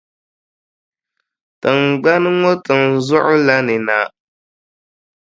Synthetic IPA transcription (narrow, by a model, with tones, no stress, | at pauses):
tɨ˨ŋɡ͡ba˦nɨ˦ŋɔ˦tɨ˨nzʊ˦ʔʊ˦la˦nɨ˨na˦